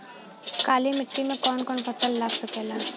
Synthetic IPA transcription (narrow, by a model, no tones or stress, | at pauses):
kaːlimɪʈːimẽkɔːnkɔːnpəsəlːaːksəkeːlaː